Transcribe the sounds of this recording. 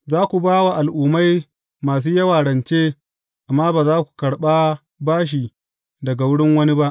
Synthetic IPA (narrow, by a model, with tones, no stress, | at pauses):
zaː˦kʷu˨baː˦wa˨ʔa˨lʔuː˨ma˦j | maː˨s̬uː˦jɐ˦waː˨ɽɐ˨nt͡ʃeː˦ | ʔa˨mːaː˦baː˨zaː˦kʷu̥˨kɐ˨ɽɓa˦ | baː˦ʃ̬i˨ | dɐ˨ɡa˨wʊ˦ɽɪ˦ŋwɐ˦ni˦ba˦ʔ